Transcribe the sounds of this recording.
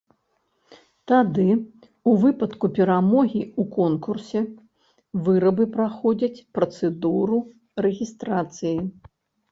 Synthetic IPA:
t̪ad̪ɨ | uvɨpɐt̪kupʲɛɾamɔɣʲiukɔnkursʲɛ | vɨɾɐbɨpɾaxɔd͡zʲɐt͡sʲpɾɐt̪sɛd̪uɾu | ɾɛɣʲist̪ɾat̪sɨji

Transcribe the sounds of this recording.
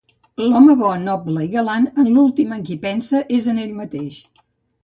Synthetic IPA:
lɔməβɔnɔbləiɣəlanənlulˠt̪iməŋkipɛnsəʔezəneʎmət̪eʃ

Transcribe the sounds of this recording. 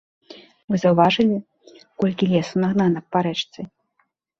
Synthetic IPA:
mɨzɐwvaʐɨlʲi | kɔlʲkʲilʲɛsunaɣnanɐpːaɾɛt͡ʂt̪sɨ

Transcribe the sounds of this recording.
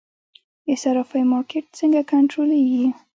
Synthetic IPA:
esaɾɑfajmɑɾkeʈ̚t͡səŋɡakaɳʈɾoleɡi

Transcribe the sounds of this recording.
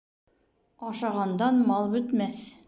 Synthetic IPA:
ɑʃɑʁɑnd̪ɑnmɑlˠbɵ̆t̪mæθ

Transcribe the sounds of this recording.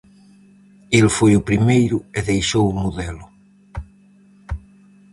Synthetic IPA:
elfojupɾimejɾueðejʃowumuðelʊ

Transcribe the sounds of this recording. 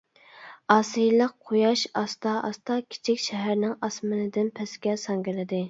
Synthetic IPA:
ɑːsɨjlˠəqqʰojɑʃɑst̪ɑʔɑ̰st̪ɑkʲʰi̥t͡ʃʰikʲʃɛɦæɾnɪŋɑsmɨnɨd̪ɪnpʰɛskʲɛsɑŋɡʲɪlɪd̪ɪ

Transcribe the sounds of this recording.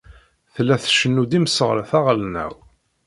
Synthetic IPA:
θlːæθʃənːud̪iməsəʁləθæʁlnæ̰w

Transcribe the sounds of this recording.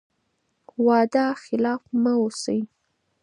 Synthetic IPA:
wɑd̪ɑxɪlɑfmaosəj

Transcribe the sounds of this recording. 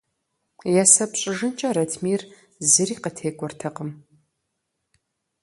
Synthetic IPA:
jɛsɐpɕʼɪʒɨnt͡ʃʼɐɾɐtʰmiːr | zɨriːqətʰeːkʷʼɔrtʰɐqəm

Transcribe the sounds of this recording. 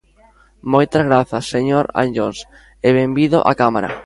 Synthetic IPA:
mojt̪ɐzɣɾaθɐsːeɲoɾa̰nʎons | eβembiðoʔa̰kamaɾa̰

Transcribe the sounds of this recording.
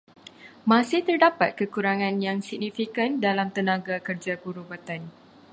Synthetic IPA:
mãsɪht̪ərdapat̪̚kəkuɾaŋãnjaŋsik̚nifikandalamt̪ənãɡakərd͡ʒabuɾubat̪an

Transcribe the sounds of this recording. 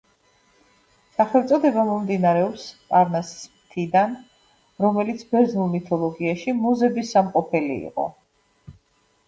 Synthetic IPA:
saχɛlˠt̪sʼɔd̪ɛbamɔmd̪inaɾɛɔpspʼaɾnassmt̪ʰid̪an | ɾɔmɛlit̪sʰbɛɾznulˠmit̪ʰɔlˠɔɡiaʃimuzɛbisamqʼɔpʰɛlḭḭqʼɔ̰

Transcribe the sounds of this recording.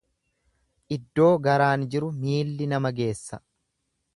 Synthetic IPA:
ʔɪd̪ːo̞ːɡɐɾaːnd͡ʒɪɾʊmiːlːɪnɐmɐɡe̞ːsːɐ

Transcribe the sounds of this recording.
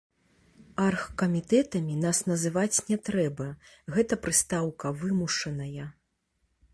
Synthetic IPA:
arxkɐmʲit̪ɛt̪ɐmʲinasnɐzɨvat͡sʲnʲɛt̪ɾɛbɐ | ɣɛt̪ɐpɾɨst̪awkɐvɨmuʂɐnɐjɐ

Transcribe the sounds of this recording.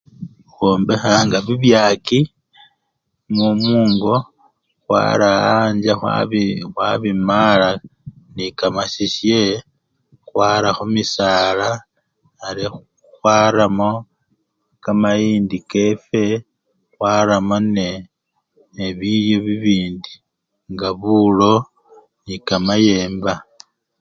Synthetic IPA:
xwoːmbexaːŋɡaβiβjaːki | mumuːŋɡo̞ | xwa̰ɾaaɲd͡ʒaxa̰βxwaβimala | nikamasiʃje | xwaːɾaxumisaːlaː | ɾi | xwaɾamo̞ | kamajiːndike̞fe̞ | xwaːɾamo̞ne | eβijo̞βiβiːndi | ŋɡaβulo̞ | nikamaje̞ːmba

